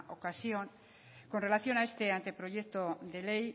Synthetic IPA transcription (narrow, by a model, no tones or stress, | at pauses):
ʔokasjoŋ | ko̞nre̞laθjo̞nae̞st̪e̞ant̪e̞pɾo̞ʝekt̪oðe̞lej